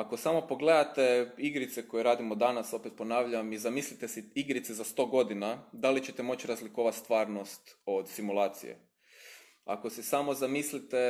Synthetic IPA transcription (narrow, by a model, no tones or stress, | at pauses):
ako̞samo̞po̞ɡled̪at̪eiɡɾit̪seko̞jeɾaːd̪imo̞d̪anaso̞pet̪̚po̞naːʋʎamizamislit̪esiiɡɾit̪sezast̪o̞ːɡo̞d̪inad̪alit͡ɕe̞t̪emo̞t͡ɕɾazliko̞ːʋat̪st̪ʋaːɾno̞st̪o̞d̪simulˠaːt̪sḭjḛ | a̰ko̞sisamo̞zamislit̪e